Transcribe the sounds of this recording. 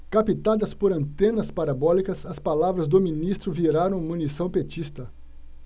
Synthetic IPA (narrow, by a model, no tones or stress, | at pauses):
kapit̪ad̪ɐspoɾɐ̃nt̪ẽnɐspaɾabɔlikɐsɐspalavɾɐzd̪ʊminist̪ɾʊviɾaɾɐ̃w̃mũnisɐ̃w̃pet͡ʃist̪ɐ